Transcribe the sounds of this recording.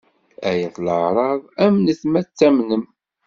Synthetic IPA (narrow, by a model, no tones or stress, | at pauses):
æjæθləʕɾˤɑðˤæmnəθmæt͡sːæmnəm